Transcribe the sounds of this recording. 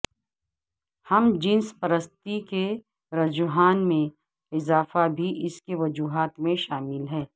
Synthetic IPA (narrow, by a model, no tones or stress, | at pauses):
hɐmd͡ʒɪ̃nspɐɾəst̪ike | ɾɐd͡ʒʊɦaːnmẽ | ɪzaːfabʱiʔɪskeʋɐd͡ʒuːɦaːt̪mẽʃaːmɪlɦɛː